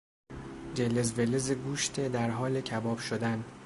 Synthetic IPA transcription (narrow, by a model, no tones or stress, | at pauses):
d͡ʒelezvelezeɡuːʃt̪ʰed̪æɾɦɒːlecʰæbɒːb̥ʃod̪æn